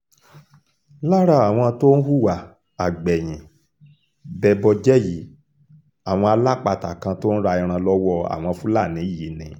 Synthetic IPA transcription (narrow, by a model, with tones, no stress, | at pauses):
la˦ɾa˧˨a˨w̃ɔ̃˧to˦n̩˦ɦu˦˨wa˨ | a˨ɡ͡bɛ˨j̃ĩ˨ | bɛ˧bɔ˧d͡ʒɛ˦ji˨˦ | a˦˨w̃ɔ̃˧a˧la˦k͡pa˧ta˨kã˧to˦n̩˦ɾa˧i˧ɾ̃ã˧lɔ˦wɔ˦a̰˨w̃ɔ̃˧fu˦la˦˨nĩ˨˦i˦˨ji˨˦nḭ̃˨